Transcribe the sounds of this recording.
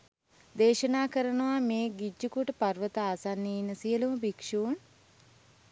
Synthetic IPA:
d̪eːʃənaːkəɾənəʋameːɡid͡ʒːukuʈəparʋət̪əaːsanːeinːəsiəluməbikʂuːn

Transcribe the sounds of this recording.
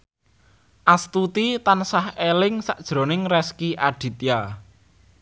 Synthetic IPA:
ʔast̪ut̪it̪ansahelɪŋsaʔd̥ʒ̥ɾo̤nɪŋrɛskiʔaɖ̥i̤t̪ja

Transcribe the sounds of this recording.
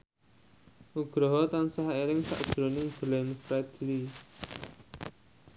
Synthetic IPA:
ʔuɡ̥ɾɔɦɔt̪ansaɦaeɾɪŋsa̰ʔd̥ɾo̤nɪb̥lɛnfɾad̪ili

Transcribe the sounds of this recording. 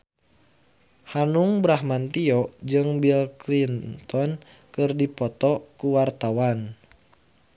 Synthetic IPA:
hanuŋbɾahmant̪iɔd͡ʒɨŋbilklint̪ɔn | kɨrdipɔt̪ɔkuwart̪awan

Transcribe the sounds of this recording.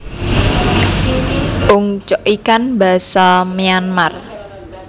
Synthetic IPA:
ʔʊŋt͡ʃɔʔikanba̤sameanmar

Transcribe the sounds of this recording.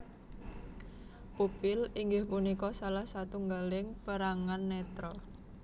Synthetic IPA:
ʔupɪliŋɡɪhpunikɔsalahsat̪uŋɡalɪŋpəɾaŋanːɛt̪ɾɔ

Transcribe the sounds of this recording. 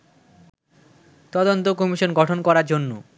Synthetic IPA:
t̪ɔd̪ont̪okɔmiʃonɡɔʈʰonkɔɾaɾd͡ʑonːu

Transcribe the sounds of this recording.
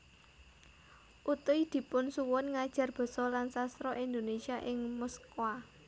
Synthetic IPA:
ʔut̪uid̪̥i̤pʊnsuwʊnŋad̥ʒ̥ä̤rb̥ɔ̤sɔlansast̪ɾɔʔind̪onesiaʔɪŋmɔskwa

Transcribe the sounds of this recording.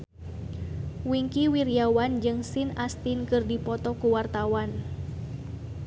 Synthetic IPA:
wiŋkiwiriawand͡ʒɨŋsinast̪inkɨrdipɔt̪ɔkuwart̪awan

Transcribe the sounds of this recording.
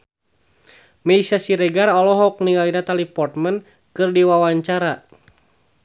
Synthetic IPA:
mɛisasiɾɛɡarɔlɔɦɔk̚niŋainat̪alipɔrt̪mən | kɨrdiwawaɲt͡ʃaɾa

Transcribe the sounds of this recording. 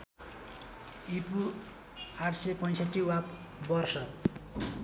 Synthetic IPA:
ipu | aʈʰsepʌjsʌʈːiwapbʌrsʌ

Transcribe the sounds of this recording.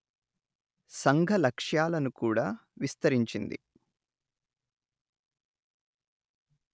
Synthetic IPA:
sɐŋɡʱɐlɐkʂjaːlɐnukuːɽaːʋist̪ɐɾiɲt͡ʃind̪ḭ

